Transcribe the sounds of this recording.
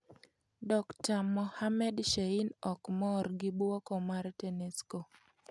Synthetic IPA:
dɔktamɔhamɛdʃeinɔkmɔrɡɪbɔkɔmaɾtɛnesko

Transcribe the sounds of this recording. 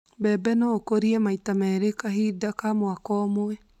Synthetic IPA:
bɛːbɛnɔkoɾiɛmaitamɛɾekaɦidakamoakɔmoɛ

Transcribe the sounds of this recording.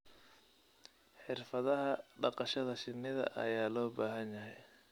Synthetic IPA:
ħɪrfɐðɐɦɐɖɑqɑʃɐðɐʃɪnːɪðɐ̰ʔɐ̰jaːlɔːbaːɦɐnjɐɦɛj

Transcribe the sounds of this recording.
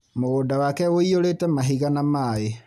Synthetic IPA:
moɣodawakɛɣoioɾeːtɛmaɦiɣanamae

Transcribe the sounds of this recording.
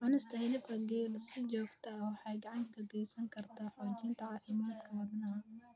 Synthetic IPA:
ʔɐnɪst̪ʰɐhɪlɪbkʰɐɡɛːlsɪt͡ʃɔːɡt̪ʰɐwɑħɑːjɡɐʕɑŋkʰɐbɛjsɐŋkʰɐrt̪ʰaħɔːt͡ʃɪːnt̪ʰɐʕɑːfɪmaːd̪kʰɐwɐd̪nɐ

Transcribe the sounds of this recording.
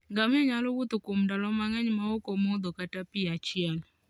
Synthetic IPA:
ŋɡamɔɲalowut̪ʊkomdalɔmaŋɛɲmaokomod̪ɔkatapɪat͡ʃɪɛl

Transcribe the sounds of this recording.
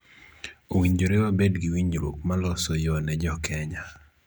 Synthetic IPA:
owiɲd͡ʒoɾewabedɡiwiɲd͡ʒɾwo̰kmalɔsɔjɔnɛd͡ʒɔkʰɛɲa

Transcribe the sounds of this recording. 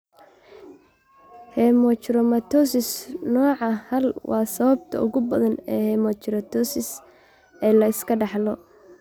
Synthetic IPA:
hɛːmɔt͡ʃɪɾɔmɐt̪ʰɔsɪsnɔːʕɑhɐlwʔɑːsɐβɐbt̪ʰɐ̰ʔʊ̰ɣʊbɐðɐnɛːhɛːmɔt͡ʃɪɾɐt̪ʰɔsɪs | ʔɛːlɐɪskʰɐɖɑħlɔ

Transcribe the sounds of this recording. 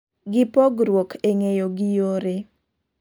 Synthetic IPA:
ɡɪpɔɡɾwokʰeŋejoɡɪjoɾe

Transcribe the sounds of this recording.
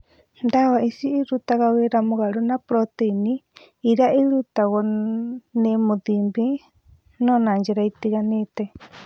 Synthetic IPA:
nd̪awaʔisiiɾut̪akawɛɾamuɣaɺunapɾɔt̪einiː | ɾaʔiɺut̪aɣɔ | nɛmud̪imbi | nɔ̃nand͡ʒɛɾait̪ikanit̪ɛ

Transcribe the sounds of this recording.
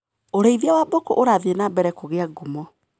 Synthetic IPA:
oɾeiðjawabokoʔoɾaðienabɛɾɛkoɣeaɡumɔ

